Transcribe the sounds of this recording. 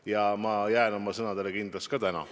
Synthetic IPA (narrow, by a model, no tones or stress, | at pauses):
jɑmɑjæeno̞mɑsɤnɑd̪e̞le̞kind̪lɑskɑt̪ænɑ̰